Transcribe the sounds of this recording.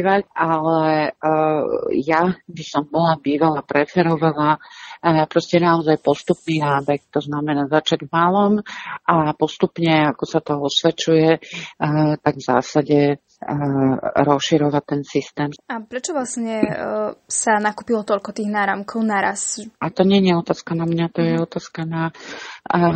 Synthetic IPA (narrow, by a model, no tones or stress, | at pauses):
ʋaalɛ | jabisɔmbɔlabiːʋalapɾɛfɛɾɔʋala | pɾɔscɛnaɔzajpɔst̪upniːnaːbɛkt̪ɔznamɛnaːzat͡ʃaɟvmalɔmʔapɔst̪upɲɛakɔsat̪ɔɔsʋɛt͡ʃujɛ | t̪aɡvz̥a̰ːsaɟɛ | ɾɔsʃiɾɔʋat̪ːɛnsist̪ɛːmapɾɛt͡ʃɔʋlasɲɛ | sanakuːpilɔt̪ɔʎkɔt̪iːɣnaːɾamkʰɔʊnaɾa̰sʔat̪ɔɲɛɲɛɔt̪aːskanamɲat̪ɔjɛɔt̪aːskana